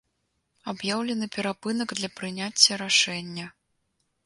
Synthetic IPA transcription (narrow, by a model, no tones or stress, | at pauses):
abjawlʲɛnɨpʲɛɾapɨnɐɡd̪lʲɐpɾɨnʲat͡sʲːɐɾaʂɛnʲːɐ